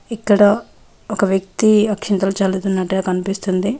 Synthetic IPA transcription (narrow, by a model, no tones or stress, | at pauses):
ikːɐɽɐ | ɔkɐʋjɐk̚t̪iɐkʂint̪ɐlt͡ʃaːlut̪unːɐːʈekɐnipist̪und̪i